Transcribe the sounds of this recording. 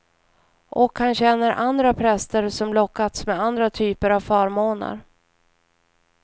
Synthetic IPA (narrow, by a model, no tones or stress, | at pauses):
ʔɔkhanɕɛnːəɾʔand̪ɾapʰɾɛst̪əɾsɔmlɔkːat̪smɛand̪ɾat̪ʰyːpəɾavfœːɾmoːna̰ɾ